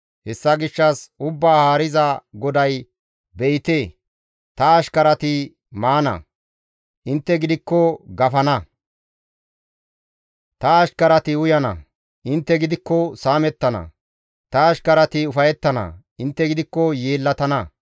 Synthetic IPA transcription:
hɛsːɐɡɪʃːɐsʊbːaːhaːɾɪzɐɡɔd̪ɐj | bɛʔɪt̪eː | t̪ɐːʃkɐɾɐt̪ɪ | maːnɐ̰ | ʔɪnt̪ːɛɡɪd̪ɪkːɔɡɐfɐnɐ | t̪ɐːʃkɐɾɐt̪ɪʊjɐnɐ̰ | ʔɪnt̪ːɛɡɪd̪ɪkːɔsaːmɛt̪ːɐnɐ̰ | t̪ɐːʃkɐɾɐt̪ɪʊfɐjɛt̪ːɐnɐ̰ | ɪnt̪ːɛɡɪd̪ɪkːɔjeːlːɐt̪ɐnɐ

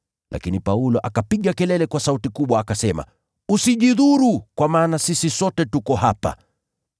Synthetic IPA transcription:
lʔa̰kinipaulɔʔakapiɠakɛlɛlɛkwasautikuɓwaːkasɛma̰ | usiʄiðuɾukwamaːnasisisɔtɛtukɔhapa̰

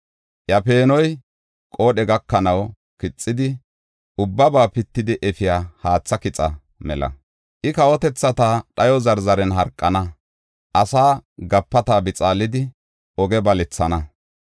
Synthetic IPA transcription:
jɐpe̞ːnɔj | kʼo̞ːɗɛɡɐkːɐnɐw | kɪt͡sʼːɪd̪ɪ | ʔʊbːɐbaːpɪt̪ːɪd̪ɪʔɛfɪjaːhaːt͡sːɐkɪt͡sʼɐ | mɛ̰lɐ̰ | ʔɪkɐwɔt̪ɛt͡sːɐt̪aːɗɐjɔzɐɾzɐɾɛnɦɐɾkʼːɐnɐ | ʔɐsaːɡɐpːɐt̪aːbɪt͡sʼaːlːɪd̪ɪ | ɔɡɛbɐlɛt͡sːɐnɐ

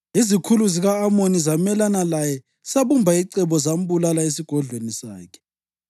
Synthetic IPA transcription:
izikʰuluziɣaːmonizamɛlanalajɛ | saβumbʱaiǀɛβɔzam̩bulalaes̬iɡ̥ʱɔɮʱwenisa̰ːkʰɛ̥

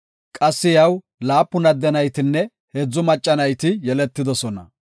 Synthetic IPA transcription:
kʼɐsːɪjɐw | laːpːʊnɐd̪ːɛnɐjt̪ɪnːɛ | hed͡zːʊmɐt͡ʃʼːɐnɐjt̪ɪjɛlɛt̪ːɪd̪ɔsɔnɐ̰

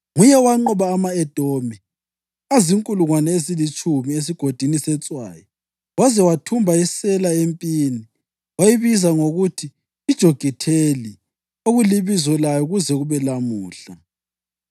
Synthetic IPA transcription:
ŋujɛwaŋ͡ǃɔβaːmaɛd̥ʱomɛ | aziŋkʼuluŋwanɛezilit͡ʃʼumies̬iɡ̥ʱod̥ʱinisɛt͡sʼwa̰ːjɔ | wazɛwatʰumbʱaisɛlaempʼini | wajiβizaŋoɣutʰiː | d̥ʒ̥ʱoɡ̥ʱitʰeli | oɣuliβizɔlajɔuɣuzɛɣuβɛlamuːɬa

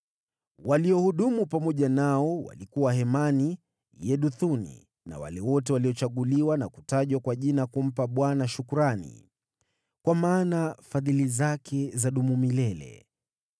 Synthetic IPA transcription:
waliɔhuɗumupamɔʄanaɔwa̰likuwaɦɛmani | jɛɗuθunḭ | na̰wa̰lɛwɔtɛwaliɔt͡ʃaɠuliwanaku̥taʄwakwaʄinakum̩paɓwanaʃukuɾanḭ | kwamaːnafaðilizakʰɛzaɗumumilɛlɛ̰

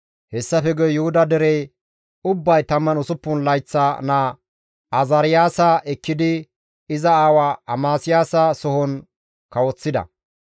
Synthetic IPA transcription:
hɛsːɐfɛɡɔjjʊhʊd̪ɐd̪ɛɾɛj | ʊbːɐjt̪ɐmːɐnʊsʊpːʊnlɐjt͡sːana | ɐzɐɾɪjaːsɐʔɛkːɪd̪ɪ | ɪzɐaːwaɐmaːsɪjaːsɐsɔhɔn | kɐwɔt͡sːɪd̪ɐ̰

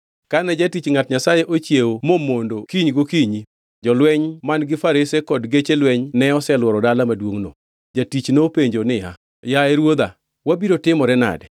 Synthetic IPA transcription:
kanɛd͡ʒatit͡ʃŋatɲasajeʔot͡ʃjewomomondokiɲɡokiɲi | d͡ʒɔlwɛɲmanɡɪfaɾesekɔdɡet͡ʃelwɛɲnɛɔsɛlwɔɾɔdalamadwoŋno̰ | d͡ʒatit͡ʃnopeɲd͡ʒonɪja̰ | jaɛɾwod̪a̰ | wabiɾotɪmɔɾɛna̰dɛ

